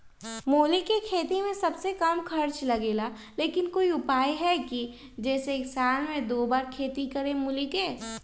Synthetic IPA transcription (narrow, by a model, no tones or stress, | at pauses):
moːlikekʰeːt̪imẽsɐbsekɐmkʰɐɾt͡ʃlɐɡeːla | leːkɪnkoːiʊpaːjɦɛki | d͡ʒɛːseːksaːlmẽd̪oːbaːɾkʰeːt̪ikɐɾẽmʊlikeː